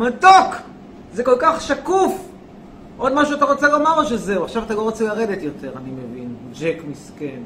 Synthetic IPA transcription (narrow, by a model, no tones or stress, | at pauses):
matok | zeko̞lkaχʃakuf | ʔo̞dmaʃuat̪aʁot͡selo̞maʁoʃezeuaχʃavat̪aloʁot͡selaʁedet̪jo̞te̞ʁanimevind͡ʒekmisken